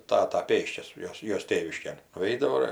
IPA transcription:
ˈtɑːtɐ ˈpʲeːsʲt͡ʃʲɛs ˈjoːs ˈjoːs ˈtʲeːʋʲɪʃʲkʲeːn nʊˈɛɪdɐʋoː ɪr

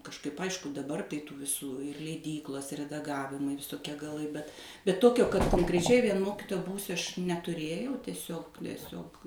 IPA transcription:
kɐʃˈkɐɪp ˈɐɪʃkʊ dɐˈbɐr tɐɪ ˈtuː ʋʲɪˈsuː lʲɛɪˈdʲiːklˠoːs rʲɛdɐˈɡɑːʋʲɪmɐɪ ʋʲɪsoːˈkʲiɛ ɡɐˈlˠɐɪ bʲɛt bʲɛt ˈtoːkʲoː kɐt koːŋkrʲɛˈt͡ʃʲɛɪ ʋʲiɛn ˈmoːkʲɪtoːjɛ ˈbuːsʲʊ ɐʃ nʲɛtʊˈrʲeːjɛʊ tʲɛˈsʲoːk tʲɛˈsʲoːk

